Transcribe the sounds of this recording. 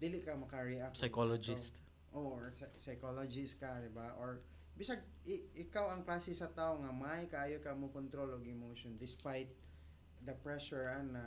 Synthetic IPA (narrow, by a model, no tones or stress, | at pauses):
d̪iːlɪkɐmɐkɐɹiʔapsajkolod͡ʒɪst̪ | ʔoɹssɐjkolod͡ʒɪst̪̚kɐd̪ɪbaʔoɹ | bɪsaɡ | ʔɪʔɪkawɐŋklaːsɪsɐt̪aːʔoŋɐmaajkɐʔaːjokɐmokont̪ɾo̞loɡɪmoʃond̪ɪspajt̪̚ | d̪ɐpɹɛʃʊɹanːɐ